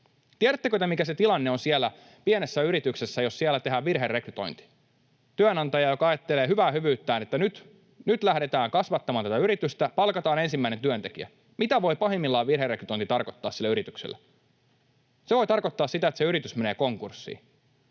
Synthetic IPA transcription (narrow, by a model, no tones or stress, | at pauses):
t̪iæɾæt̪ːækøt̪æmikæset̪ilɑnːeonsielːæ | pienesːæyɾit̪ykse̞sːæjo̞sːielːæt̪e̞ɦæːʋʋirɦerːekryt̪o̞̰jnt̪i̥ | t̪yænɑnt̪ɑjɑjo̞kɑɑjɑt̪ːeleːɦyʋæːhyʋyːt̪ːæːnet̪ːænyt̪ | nyt̪læhɾe̞t̪æːŋkɑsʋɑt̪ːɑmɑːnt̪æt̪æyɾit̪yst̪æpɑlkɑt̪ɑːne̞nsimːæine̞nt̪yønt̪e̞k̟iæ̰ | mit̪æʋo̞jpɑɦemːilːɑːʋʋirɦerːekryt̪ojnt̪it̪ɑrko̞t̪ːɑ̰ːssilːæyɾit̪yksḛlːæ | seʋo̞jt̪ɑrko̞t̪ːɑːssit̪æet̪seyɾit̪ysme̞neːko̞ŋkursːḭː